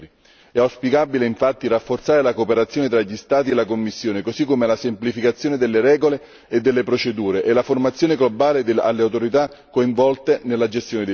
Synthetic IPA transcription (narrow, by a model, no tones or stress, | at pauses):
i | ɛawspikabileiɱfat̪ːirafːort̪saːɾelakoːpeɾat̪sːjoːnet̪ɾaʎist̪aːt̪̬ielːakomːisːjoːnekosikːomelasemplifikat̪sːjoːned̪elːeɾɛːɡole | ed̪ːelːepɾot͡ʃed̪uːɾeʔelaformat̪sːjoːneɡlobaːled̪a̰lːeawt̪oɾit̪akːoiɱvɔlt̪enelːad͡ʒest̪joːned̪e